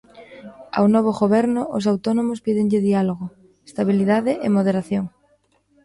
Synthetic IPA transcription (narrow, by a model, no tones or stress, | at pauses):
a̰wnɔβ̞oɣoβɛɾnʊʊ̰s̬awt̪ɔnomʊspiðɪŋʎɪðialoɣo | est̪aβiliðaðɪʔemoð̞eɾaθjoŋ